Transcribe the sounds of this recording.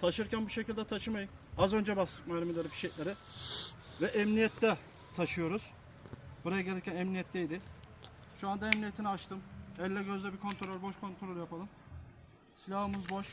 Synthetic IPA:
t̪ʰaʃɯɾcʰænbuʃecʰilʲd̪ɛt̪ʰaʃɯmajɯm | azø̞nd͡ʒɛbaslɯk̚malʲemilʲeɾibiʃejlʲeɾi | vɛʔɛmnijɛt̪ʰːɛ | t̪ʰaʃɯjo̞ɾuz̥ | buɾajaɟelʲiɾcʰʲænɛmnʲijɛt̪ʰːʲɛjd̪ɪ | ʃuand̪aɛmnijet̪ʰiniat͡ʃt̪ʰɯmɛlʲːɛɟø̞zlʲɛbikʰo̞nt̪ʰɾoølʲbo̞ʃkʰo̞nt̪ʰɾolʲjapalˠɯm | silʲahɯmɯzbo̞ʃ

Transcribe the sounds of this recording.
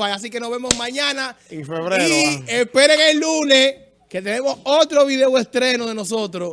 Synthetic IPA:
ajas̬ike̞noβe̞mosmãɲãnaeŋfeβɾeɾoespe̞ɾeŋelːune̞s | ke̞t̪e̞ne̞mo̞sot̪ɾo̞βiðewe̞st̪ɾe̞noðeno̞so̞t̪ɾo

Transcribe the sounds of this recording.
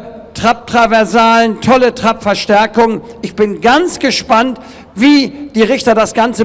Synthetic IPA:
tʁ̥ap̚tʁ̥avɛɐzaːləntʰɔlətʁ̥apfɛɐʃtɛɐkʊŋənʔɪçb̥ɪnɡant͡sɡ̥əʃpant | viːd̥iːʁɪçtɐdasɡ̥ant͡sə

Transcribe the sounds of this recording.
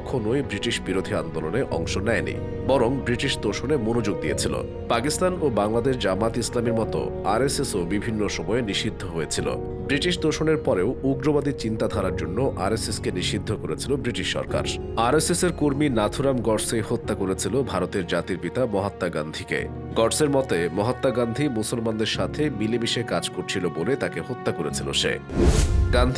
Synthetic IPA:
ɔkʰonojbɾiʈiʃbiɾod̪ʱiand̪oloneʔɔ̰ŋʃonɛenḭ | bɔɾoŋbɾiʈiʃd̪oʃonemonod͡ʑoɡ̚d̪ijḛt͡ɕʰilo̰ | pakist̪anobaŋlad̪eʃd͡ʑamat̪islamiɾmɔt̪o̰ | aɾesesobibʱinːoʃɔmɔeniʃid̪ʱːoɦojet͡ɕʰilo̰ | bɾiʈiʃd̪oʃoneɾpɔɾeouɡɾobad̪it͡ɕint̪ad̪ʱaɾaɾd͡ʑonːoʔaɾeseskeniʃid̪ʱːokoɾet͡ɕʰilobɾiʈiʃːɔ̰ɾka̰ɾ | aɾeseseɾkoɾminat̪ʰuɾamɡɔɖsehot̪ːakoɾet͡ɕʰilobʱaɾot̪eɾd͡ʑat̪iɾpit̪amɔɦat̪ːaɡand̪ʱikḛ | ɡɔɖseɾmɔt̪emɔɦat̪ːaɡand̪ʱimusolmand̪eɾʃat̪ʰemilemiʃekad͡ʑkoɾt͡ɕʰilobolet̪akehot̪ːakoɾet͡ɕʰilo̰ʃḛ | ɡand̪ʱ

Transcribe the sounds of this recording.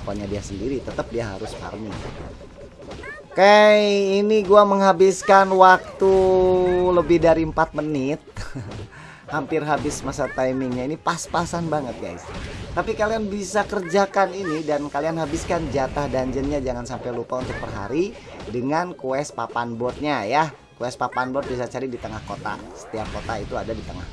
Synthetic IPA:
kaɲadiasəndiɾit̪ət̪əp̚diaɦa̰ɾʊsfa̰rmia̰ | kajiniɡuaməŋɦabɪskanwak̚t̪u | ləbɪhdaɾiəmpat̪̚mənɪt̪̚ | hampɪrɦabɪsmasat̪ajmɪŋɲainipaspasanbaŋət̪̚ɡa̰jst̪apikalianbisakərd͡ʒakaninidankalianɦabɪskand͡ʒat̪ahdaɲd͡ʒənɲad͡ʒaŋansampajlupaunt̪ʊk̚pərɦa̰ɾi | dəŋankuɛspapanbɔrt̪̚ɲaja | kuɛspapanbɔrt̪̚bisat͡ʃaɾidit̪əŋahkot̪a̰sə̥t̪iap̚kot̪ait̪uadadit̪əŋa̰h

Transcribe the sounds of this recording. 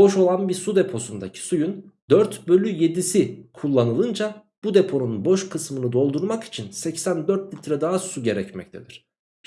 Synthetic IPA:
bo̞ʃo̞lˠanbiɾsud̪e̞pʰo̞sund̪acʰi̥sujund̪øɾt̪bø̞lʲyje̞d̪isikʰulˠːanɯlˠɯnd͡ʒa | b̥ud̪e̞pʰo̞nunbo̞ʃkʰɯsmɯnɯd̪o̞lˠd̪uɾmaki̥t͡ʃʰinsɛcsænd̪øɾt̪lʲit̪ɾad̪aɦasuɟe̞ɾɛcmɛ̰c̚t̪ʰe̞d̪iɾ̝̥

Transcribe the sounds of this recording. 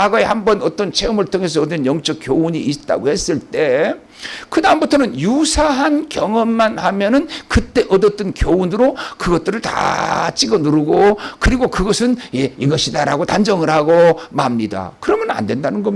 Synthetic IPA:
aɡʌehambʌnʌt͈ʌnt͡ɕʰe̞ɯmɯɭtʰoŋe̞s̬ʰʌːdɯnjʌŋt͡ɕ͈ʌk̚k͈jouɲiʔ̚ːt͈a̰ɡohe̞s͈ɯɭt͈e̞ | kɯdambutʰʌnɯnjusʰaɦankjʌŋʌmːanhamjʌnɯnkɯt͈e̞ʔʌdʌt͈ɯnkjounɯɾokɯɡʌt̚t͈ɯɾɯɭta̰t͡ɕ͈iɡʌnuɾɯɡokɯɾiɡokɯɡʌsʰɯnjeiɡʌɕʰidaɾaɡotand͡ʑʌŋɯɾɦaɡomaɦamɲida̰kɯɾʌmjʌna̰ndwe̞ndanɯnɡʌm

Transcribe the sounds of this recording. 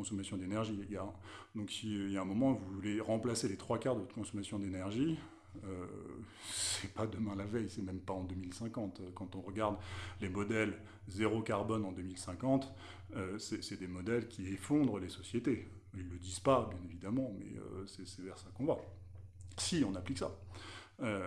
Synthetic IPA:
ɔ̃sɔmasjɔ̃d̪enɛʁʒieɡaʁ | d̪ɔ̃ksiøijaɛ̃mɔmɑ̃vuvvuleʁɑ̃plaselet̪χwakaʁd̪əvɔt̪kɔ̃sɔmasjɔ̃d̪enɛʁʒi | ø | sɛpad̪əmɛ̃lavɛjsɛmɛmpaɑ̃d̪ømilsɛ̃kɑ̃t̪økɑ̃t̪ɔ̃ʁəɡaʁd̪lemɔd̪ɛl | zeʁokaʁbɔnɑ̃d̪ømilsɛ̃kɑ̃t̪ | øsɛsɛd̪emɔd̪ɛlkʲiefɔ̃d̪ʁəlesɔsjet̪e | ilːəd̪iz̥pabjɛ̃nevid̪amɑ̃mɛ̰ø̰sɛsɛvɛʁsakɔ̃va | siɔ̃napliksa̰ | ø

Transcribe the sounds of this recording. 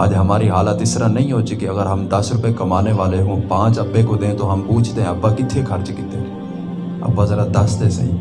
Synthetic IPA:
a̰ːd͡ʒɦɐmaːɾiɦaːlət̪ɪsɾanɐɦĩɦoːt͡ʃikiɐɡəɾɦɐmd̪ɐsɾʊpekɐmaːneʋaːleɦũpãːt͡ʃɐbːekod̪ẽːt̪oɦɐmpuːt͡ʃʰt̪eɦẽɐbːakɪt̪ʰːekʰɐɾt͡ʃkɪt̪ʰːee | ɐ̰bːazɐɾad̪ɐst̪ʰesɐ̰ɦḭ̃ː

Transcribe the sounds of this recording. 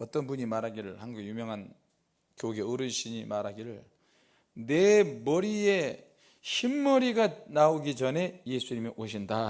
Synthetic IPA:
ʌt͈ʌnbuɲimaɾɦaɡiɾɯɭhaŋɡuɡejumjʌŋɦan | kjoɡe̞ɯɾɯnɕʰiɲimaɾaɡiɾɯɭ | ne̞mʌɾie̞ | ɕʰimːʌɾiɡanaoɡit͡ɕʌne̞jesʰuɲimeʔoɕʰinda

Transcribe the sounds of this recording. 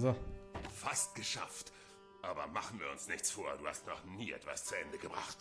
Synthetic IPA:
ofast̚ɡ̥əʃa̰ft | ʔaːbɐmaχn̩viːɐʊ̰nsnɪçt͡sfoːɐduːha̰stnɔχniːʔɛ̰tv̥a̰st͡suɛndəɡəbʁa̰χt

